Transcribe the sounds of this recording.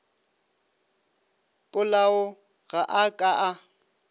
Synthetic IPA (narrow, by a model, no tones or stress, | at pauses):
pʼʊlaʊ | ɣaʔakʼaʔa